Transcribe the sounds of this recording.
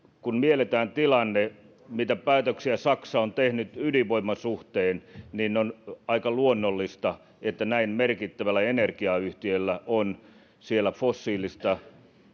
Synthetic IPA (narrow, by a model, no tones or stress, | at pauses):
kunmielet̪æːnt̪ilɑnːe | mit̪æpæːt̪øksiæsɑksɑont̪ehnyt̪yliʋoimːɑsuht̪eːnninneonɑikɑluonːolːist̪ɑ | et̪ːænæinmerkit̪ːæʋælːˑæenerkiɑyht̪iølːæʔon | sielːæfosːiːlist̪ɑ